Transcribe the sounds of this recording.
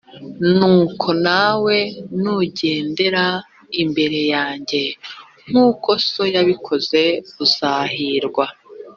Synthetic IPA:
nuːkʰo̞nawe̞nuɟe̞ːnde̞ɾa | imbe̞ɾe̞jaːɲɟe̞ | ŋ̥uːko̞so̞jaβikʰo̞ze̞βuz̥aːɦiɾɡwa

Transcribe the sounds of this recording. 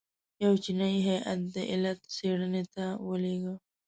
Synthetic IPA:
jawt͡ʃinajɦajʔat̪̚d̪əʔɪlat̪seɽənet̪awəleɡə

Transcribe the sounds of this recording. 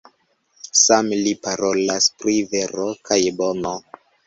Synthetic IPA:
samlipaɾo̞laspɾiveɾokʰajbo̞no

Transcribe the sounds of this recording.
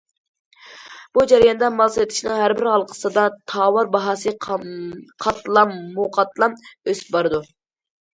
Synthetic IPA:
b̥ud͡ʒɛɾjɑnd̪ɑmɑlˠset̪ʰɪ̥ʃinɨŋɦæɾbɪɾhɑlˠqʰə̥sɨd̪ɑt̪ʰɑːwɑɾbɑɦɑsɨ | qʰɑt̪lˠɑmːuqʰɑt̪ʰlˠɑmøsɪ̥p̚bɑɾɨd̪u

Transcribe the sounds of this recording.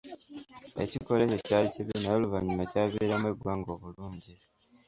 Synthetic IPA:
e̞̰ciko̞le̞cecaliciβinajoːluvaɲumacaːβiɾamweɡwaːŋɡo̞βuluːɲɟi

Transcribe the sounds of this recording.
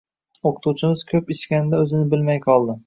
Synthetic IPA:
oqʰʊ̥t̪ʰut͡ʃʰɪmɪz̥kʲʰɵpɪt͡ʃkʲanɪd̪aɵzɪnɪbɪlmajqʰɒlˠd̪ɪ

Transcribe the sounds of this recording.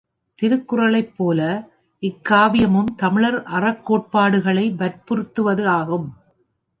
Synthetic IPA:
t̪ɪɾɯkːɯrɐɭɐɪpːoːlɐ | ʔɪkːaːʋɪjɐmɯmt̪ɐmɪɭɐɾʔɐrɐkːoːʈ̚paːɽɯɣɐɭɐɪʋɐɾpɔɾɯt̪ːɯʋɐðɯaːɣɯm

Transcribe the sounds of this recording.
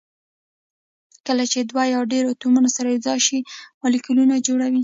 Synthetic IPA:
kəlat͡ʃed̪wajɑwɖeɾot̪umanosaɾaɪzɑʃimɑlikulunad͡ʒoɽawi

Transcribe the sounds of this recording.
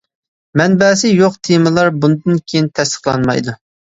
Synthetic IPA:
mɛnbɛːsɪjoqt̪ʰemɨlˠɑɾbund̪ɨnkʲʰejint̪ʰɛst̪ə̥χlˠɑ̰nmɑ̰jd̪u

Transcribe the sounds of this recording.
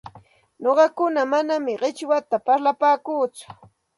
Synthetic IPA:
ɲoɢɑkʊnamanamɪɢɪt͡ʃwat̪apaɾlapaːkuːt͡sʊ̥

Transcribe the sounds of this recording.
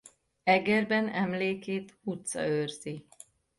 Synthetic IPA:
ɛɡɛrbɛnɛmleːkeːt̪ut̪sɒ̰øːrzi

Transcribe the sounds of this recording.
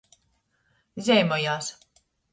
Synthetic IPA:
zʲɛjmɔjaːs

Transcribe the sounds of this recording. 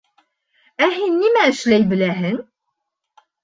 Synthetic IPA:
æhinːimæʃlæjblæɦən

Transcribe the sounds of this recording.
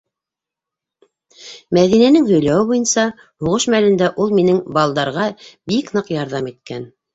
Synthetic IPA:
mæðinænɘŋhɵ̆jlæwɘβujɤnsɑ | huʁɤʃmælɘ̆nd̪æʔulˠminɘŋbɑlˠd̪ɑɾʁɑbiknɤqjɑɾðɑmit̪̚kæn

